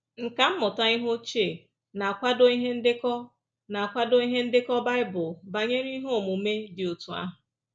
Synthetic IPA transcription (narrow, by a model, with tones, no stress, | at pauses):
ŋ̩˨ka˨m̩˦mʊ˨ta˦i˦ɦo˦t͡ʃe˦˨ | na˨a˨kʷa˦do˦i˦ɦe˦n̩˦dɪ˦kɔ˦ | na˨a˨kʷa˦do˦i˦ɦe˦n̩˦dɪ˦kɔ˦ba˦ɪ˦bʊ˨ba˨ɲe˦ɾi˦ɦo˦˨mu˨me˦dɪ˨o˨tu˨a̰˦ɦʊ˨